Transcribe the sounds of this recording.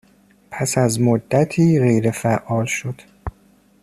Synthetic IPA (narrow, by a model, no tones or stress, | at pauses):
pʰæsæzmod̪ːæt̪ʰiːɣejɾefæʔɒːlʃod̪̥